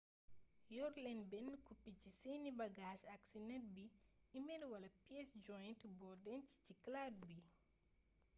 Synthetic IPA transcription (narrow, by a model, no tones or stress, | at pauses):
jɔɾlɛnbɛnːəkupːicisenibɐɡaːʃɐksinɛt̚biimɛdwɐlɐpiɛsd͡ʒɔjntbɔrdɛnci̥ciklad̚bi